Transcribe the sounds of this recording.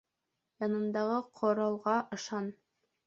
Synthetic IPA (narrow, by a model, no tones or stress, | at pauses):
jɑnɤ̆nd̪ɑʁɤqʰŏɾɑlˠʁɑʔɤ̆ʃɑn